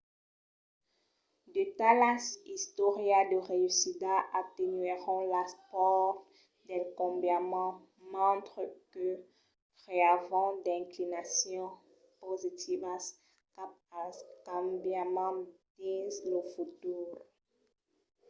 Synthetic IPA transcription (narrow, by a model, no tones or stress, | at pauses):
d̪et̪alãsist̪ɔʁjad̪əʁeysid̪aʔat̪enɥeʁɔ̃laspɔʁ | d̪ɛlkɔ̃bjamɑ̃ | mɑ̃t̪χəkə | pχeavɑ̃d̪ɛ̃klinasjɔ̃ | pozit̪ʰivas | kapakɑ̃bjamɑ̃d̪ĩzləfot̪uʁ